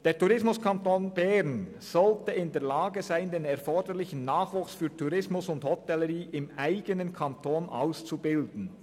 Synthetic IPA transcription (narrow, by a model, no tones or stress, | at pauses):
d̥eːɐtuʁɪsmʊskʰɑntoːnb̥ɛɾn | z̥ɔltəɪndeːɐlaːɡəzaɪndeːnɛɐfɔɹdəɾlɪçən̩naːχvuːksfyːtʰuɾɪsmʊsʊndhɔtɛləɾiːʔɪmaɪɡənənkʰɑntʰoːnʔa̰ʊst͡subɪldn̩